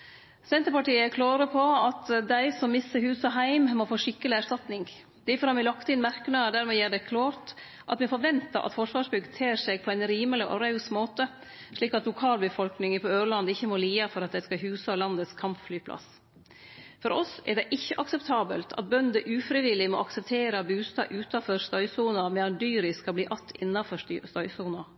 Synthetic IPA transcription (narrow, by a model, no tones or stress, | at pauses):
sɛnt̪əɾpɑʈiːəkʰlɑːɾəpʰɔɑt̪d̪æɪsɔmːɪst̪əɾhʉːsɑɦæɪmmɔfoːʂɪkːəlɪæʂt̪ɑt̪nɪŋ | d̪̥æfɔɾhɑmʋɛɪlɑkt̪ɪnmæɾknɑd̪æːɾmɛːjæːɖɛkʰlɑːɾt̪ | ʔɑ̰t̪mɛfɔɾʋɛnt̪ɑ̰ʔɑ̰t̪fɔʂʋɑːʂbʏɡət̪ʰeːɾʂɛɡ̚pʰɔæɪnɾiːməlɪʔɔ̰ɾɑʉsmoːt̪ə | ʂɭiːkɑt̪lʊkʰɑːlbəfɔlknɪŋəpʰɔøːɾɭɑnd̪ɪçːəmoːliːɑfɔɾɑt̪̚d̪ɛɪskɑɦʉːsɑlɑnd̪əskʰɑmpflyːpʰlɑ̰s | fɔɾɔsɛ̰ɾɖɛʔɪçːəʔɑksɛpt̪ʰɑːbə̰lt̪ʰɑ̰t̪̚bœnd̪əʔʉːfɾɪʋɪlɪmɔ̰ɑksɛp̚t̪ʰeːɾəbʉːst̪ɑ̰ːʔʉːt̪ɑfɔɾst̪œʏsuːnɑmɛɑnd̪yːɾɪskɑbliːʔɑt̪ʰːɪ̰nːɑfɔʂst̪œʏsuːnɑ